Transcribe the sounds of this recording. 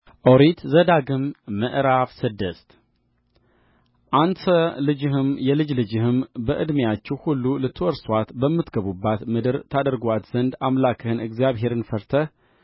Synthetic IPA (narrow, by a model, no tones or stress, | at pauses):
ʔoɾit̪zəd̪aɡɨmːəʔɾafsɨd̪ːəst̪ | ʔant̪ʰəlɨd͡ʒɨɦɨmjɛlɨd͡ʒlɨd͡ʒɪhɨmbəʔɨd̪mjat͡ʃːɛwhulːulɨt̪ʰːɨwɔɾswat̪bəmːɨt̪ɡəβubːat̪mɨd̪ɨɾt̪ʰad̪əɾɡʷat̪z̥ənd̪amlakʰɨhɨnɨɡzjaβɦe̞ɾɨnfəɾt̪ʰəh